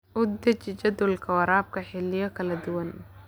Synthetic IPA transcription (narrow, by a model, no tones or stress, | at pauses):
ʔʊd̪ɐt͡ʃɪt͡ʃɐd̪ʊlkʰɐwɐɾaːb̚kʰɐħɪlɪjɔkʰɐlɐd̪ʊwɐn